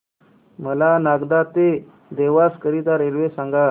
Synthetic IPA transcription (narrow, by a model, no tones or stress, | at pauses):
məlanaɡd̪at̪e | d̪eʋaskəɾid̪aɾelʋesaŋɡa